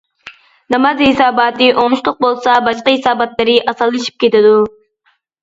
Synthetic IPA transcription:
nɑmɑzɦɪsɑːbɑːt̪ɨʔoŋnʃt̪ˠʊq̚bolˠsɑbɑʃqɑɦɪsɑːbɑt̪lˠɨɾɪʔɑsɑlˠːɨʃi̥p̚kʲet̪ɪd̪u

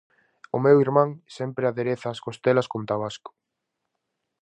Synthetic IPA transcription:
ʊmewiɾmãŋsɛmpɾeaðeɾeθaːskost̪elɐskont̪aβ̞askʊ̥

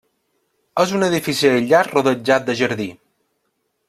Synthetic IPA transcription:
əzunəðifisiəʎaɾruðəd͡ʒat̪̚d̪əʒəɾði

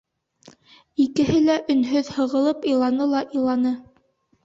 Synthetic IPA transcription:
ikɘ̆ɦɘlæʔɵ̆nɦɵðhɤ̆ʁɤ̆lˠɤpilˠɑnɤlˠɑʔilˠɑnɤ

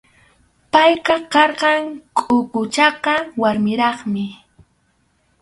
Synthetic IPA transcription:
pajqɑkɑɾɢɑŋkʼʊkʊt͡ʃɑqɑwaɾmɪɾɑχmɪ

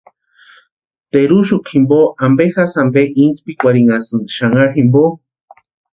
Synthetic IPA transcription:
t̪eɾuʃukʰimboambexasambeʔinspikʷaɾiŋasɨnd̪ʃaŋaximbo

